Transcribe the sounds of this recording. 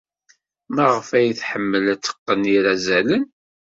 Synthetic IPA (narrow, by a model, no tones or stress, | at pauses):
mæʁəfæjiθħəmːəlæt͡sːə̥qːəniɾæzælən